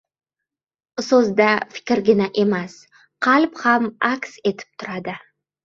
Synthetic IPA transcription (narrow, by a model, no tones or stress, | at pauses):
sɵzd̪afɪ̥kʲɾɡʲɪnaʔe̞mas | qʰɑlphamakse̞t̪ʰɪ̥p̚t̪ʰʊɾad̪ɪ